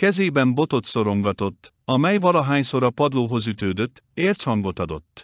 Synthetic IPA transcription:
kɛzeːbɛmbo̞t̪o̞t̪so̞ɾo̞ŋɡɒt̪o̞t̪ː | ɒmɛjvɒlɒɦaːɲso̞ɾɒpɒd̪loːɦo̞zyt̪øːd̪øt̪ːeːrt̪hɒŋɡo̞t̪ɒd̪o̞t̪ː

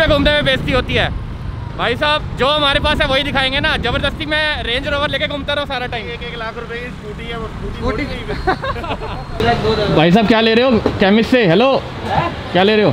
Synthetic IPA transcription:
eɡʱʊːmd̪emẽbeːst̪iɦoːt̪iɦɛː | bʱaːjsaːb̚d͡ʒoːɦɐm̤aːɾepaːsɦɛʋoɦid̪ɪkʰaːẽːŋɡenad͡ʒɐbəɾd̪əst̪imẽɾẽːɲd͡ʒɾoːʋəɾleːkeɡʱʊːmt̪aɾɛõsaːɾaʈaːɪ̃mːkeːklaːkʰɾʊpeki | oːʈiɛ | oioʈi | bʱaːjs̬aːb̚kjaːleːɾeɦoːkɛːmɪsːeɦɛloː | kjaːleːɾeɦoː

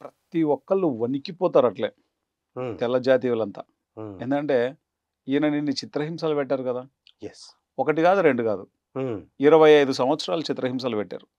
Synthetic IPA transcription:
pɾɐt̪iʋɔkːɐɭuʋɐnikipɔːt̪aːɾɐʈleː | t̪ɛlɐd͡ʒaːt̪̬iːʋulɐnt̪aː | eːnd̪ukɐɳʈe̞ː | iːnɐninːit͡ʃit̪ɾɐɦims̬aːlupɛʈːaːɾukɐd̪aː | j | ɔkɐʈ̬ikaːd̪uɾe̞ɳɖuɡaːd̪u | iɾɐʋɐjɐjd̪usɐm̃ʋɐt̪sɐɾaːlut͡ʃit̪ɾɐɦims̬aːlupɛʈːa̰ːɾu

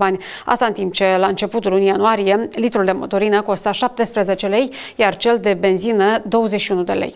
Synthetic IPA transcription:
anʲ | a̰st̪aɨnt̪imp̚t͡ʃe̞laɨnt͡ʃe̞put̪ulunijanuaɾijelit̪ɾuld̪e̞mo̞̰t̪o̞ɾinəko̞st̪aʃap̚t̪e̞spɾeze̞t͡ʃe̞le̞jjart͡ʃe̞ld̪e̞be̞nzinəd̪o̞wəzeʃiunud̪e̞̰lḛj

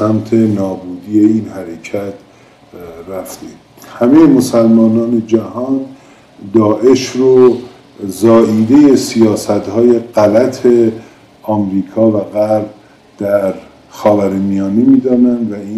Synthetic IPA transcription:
sæmt̪ʰe̞nɒːbuːd̪iːje̞iːnhæɾecʰæt̪ʰ | ræft̪e | hæmejemo̞sælmɒːnɒːned͡ʒæhɒːn | d̪ɒːʔe̞ʃɾo | zɒːʔiːd̪eje̞sijɒːsæt̪hɒːje̞ɢælæt̪ʰe̞ | ɒːmɾiːkʰɒːvæɣæɾb̚ | d̪̥æɾ | xɒːvæɾemijɒːnemiːd̪ɒːnænd̪væiː

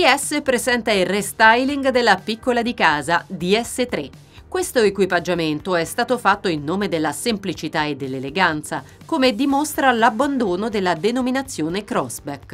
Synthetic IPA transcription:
d̪iɛsːepɾezɛnt̪ailrest̪ajliŋɡd̪elːapikːolad̪ikaːzad̪iɛsːet̪ɾe | kːwest̪oekwipad͡ʒːament̪oɛst̪aːt̪ofat̪ːoilnːoːmed̪elːasemplit͡ʃit̪aed̪ːelːeleɡant̪sa | komed̪imost̪ɾalabːand̪oːnod̪elːad̪enominat̪sːjoːnekɾɔzbɛk

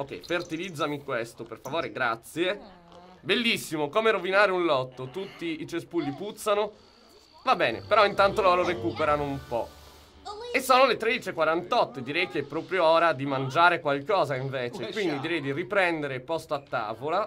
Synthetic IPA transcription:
ok̟ːɛ̰jfert̪ilid̪zːamikwest̪operfavoːɾeɡɾat̪sːje | belːisːimokoːmeɾovinaːɾeunlɔt̪ːot̪ut̪ːiːt͡ʃespulːiput̪sːano | vabːɛːnḛpeɾɔint̪ant̪olɔːɾoɾekuːpeɾanoumpɔ | esːoːnolet̪ɾed̪it͡ʃekwaɾant̪ɔt̪ːd̪iɾɛjkeɛpːɾɔːpɾjoɔːɾad̪imand͡ʒaːɾekwalkɔːzaiɱveːt͡ʃekwind̪id̪iɾɛjd̪iripɾɛnd̪eɾepɔst̪oat̪ːa̰ːvola

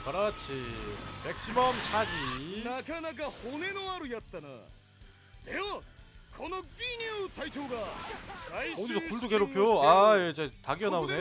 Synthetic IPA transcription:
kʌɾat͡ɕʰimek̚s͈imʌmt͡ɕʰad͡ʑinakʰanaɡahonenoaɾojʌt̚t͈ana̰ | nejokʰʌnʌkːinutʰajtʰoɡa | odisʰokuɭduɡeɾopʰeoajed͡ʑetaɡiʌnaune

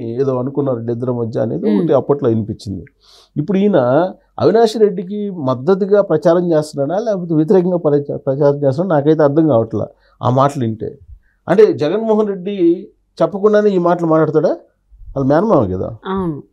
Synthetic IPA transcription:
eːd̪o̞ːɐnukunːaːɾɐɖɛd̪ːɐɾɐmɐdjːɐ̰ːnḛːd̪iukʈːeɐpːɐʈlɐjinipit͡ʃːind̪i | ipːuɽuinɐ | ɐ̰ʋinaːʂɐɾe̞ɖːik̬imɐd̪ːɐt̪̬iɡaːpɾɐt͡ʃaːɾɐɲt͡ʃeːst̪unaːɽalɛːkɐpot̪eʋjt̪̬iɾɛːkɐŋɡaːpɐpɾɐt͡ʃaːɾɐmt͡ʃest̪naːɽnaːkɐjt̪̬eːɐɾd̪ʰʱɐŋkaːʋɐʈla̰ː | a̰ːmaːʈɐliɳʈe̞̰ː | ɐ̰ɳʈe̞ːd͡ʒɛɡɐnmɔːɦɐnɾe̞ɖːi | t͡ʃɐpːɐkuɳɖaːneːiːmaːʈɐlumaːʈlaːɽɐt̪̬ːaːɽaː | ʋaːlːɐmjaːnɐmaːʋakɐd̪a̰ːawnu

